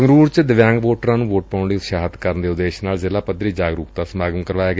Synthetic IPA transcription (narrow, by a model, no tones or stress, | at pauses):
əŋɡɾuːɾt͡ʃd̪ɪʋjãːŋɡʋoːʈɾãːnũːʋoːʈ̚paːʊɳɖiʃaːɦət̪kəɾnd̪eːʊd̪eːʃnaːlzɪlaːpəd̪ɾiːd͡ʒaːɡɾuːkt̪aːsəmaːɡəmkəɾʋaːjaːɡ